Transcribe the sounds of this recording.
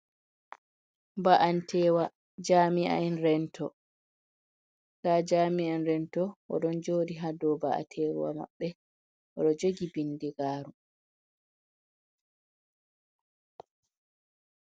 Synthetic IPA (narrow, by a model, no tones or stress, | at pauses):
baʔantʰɛːwa | d͡ʒaːmiʔa̰ɛnɾɛntʰɔ | taːd͡ʒaːmianɾɛntɔwɔ̰ɗɔnd͡ʒoːdiɦadɔbaʔa̰tʰɛɾ̰wa̰ma̰ɓːɛ | ʔɔɗɔd͡ʒoɡibindɛɡaːɾu